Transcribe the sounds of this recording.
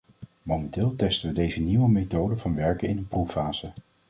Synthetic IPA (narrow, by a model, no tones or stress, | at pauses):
mowmɛntɪːlˠtɛstəʋədejzəniʋəmejtowdəvɑnʋɛɹkənɪnənprufaːz̥ə